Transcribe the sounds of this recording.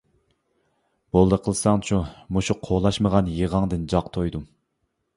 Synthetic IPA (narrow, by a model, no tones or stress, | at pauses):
b̥olˠd̪əqʰəlˠsɑŋt͡ʃʰumuʃuqʰolˠɑʃməʁɑnjeʁɑŋd̪ɨnd͡ʒɑqt̪ʰojd̪u